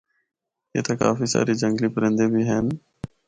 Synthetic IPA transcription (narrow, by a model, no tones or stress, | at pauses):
ḛːt̪aːka̰ːfiːsa̰ːɾiːd͡ʒəŋɡliːpəɾə̃nd̪ẽːbʱiːɦən